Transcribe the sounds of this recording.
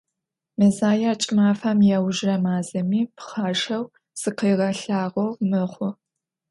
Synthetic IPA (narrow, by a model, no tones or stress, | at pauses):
mɨzaːjaːt͡ʃʼɪmaːfamjɛwʒrɐmaːzɐmiːpχaːʃɐw | sɨqeːʁɐɬaːʁɐwmɨχʷʊ